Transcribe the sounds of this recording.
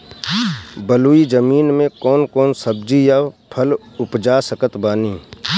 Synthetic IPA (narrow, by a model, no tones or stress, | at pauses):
bəluːid͡ʒəmiːnmẽkɔːnkɔːnsəb̚d͡ʒijaːpʰəl | ʊpd͡ʒaːsəkət̪baːniː